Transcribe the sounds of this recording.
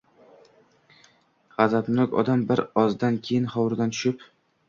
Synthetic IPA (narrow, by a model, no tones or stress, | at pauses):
ʁazapnʊkʲɒ̰d̪ambɪɾɒzd̪ankʲʰejɪnχɒwɾd̪ant̪ʰʊ̥ʃɪp